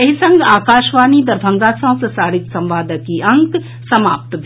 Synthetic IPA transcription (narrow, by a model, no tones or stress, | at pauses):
ɐɦisɐ̃ŋɡaːkaːʃʋaːnid̪ɐɾbʱɐ̃ŋɡaːsɐ̃w̃sesaːɽɪt̪sɐ̃mʋaːd̪əkiɐ̃ŋk | sɐmaːp̚t̪bʱ